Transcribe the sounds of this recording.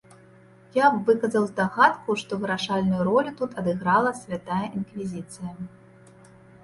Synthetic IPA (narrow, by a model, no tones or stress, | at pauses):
javɨkɐzɐwzd̪aɣat̪kuʂt̪ɔvɨɾaʂalʲnujuɾɔlʲut̪ut̪ɐd̪ɨɣɾalˠɐsʲvʲat̪ajɐʔinkvʲizʲit̪sɨjɐ